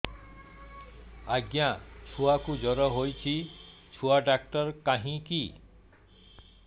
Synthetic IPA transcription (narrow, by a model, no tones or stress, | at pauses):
aɡjat͡ʃʰuakud͡ʒɔɾɔɦojt͡ʃʰi | t͡ʃʰuaɖak̚ʈɔɾkaɦĩki